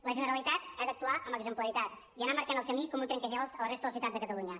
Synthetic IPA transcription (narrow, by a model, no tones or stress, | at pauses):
ləʒənəɾəlit̪at̪̚ad̪ək̚t̪uaʔəmbəɡzəmpləɾit̪at̪̚ | iənaməɾkanəlˠkəmikɔmũnt̪ɾɛŋkəʒɛlˠzələrest̪əðəsiwt̪at̪d̪əkət̪əluɲə